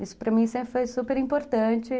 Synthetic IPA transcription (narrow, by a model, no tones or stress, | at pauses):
isʊ̥pɾɐmĩsẽmpɾɪfojsupeɾĩmpoɾt̪ɐ̃t͡ʃɪ